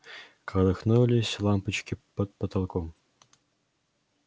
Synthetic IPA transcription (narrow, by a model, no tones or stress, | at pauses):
kɑlɤ̆xnulʲisʲlˠɑmpə̆t͡ɕkʲipɤ̆t̪̚pət̪ɑlˠkom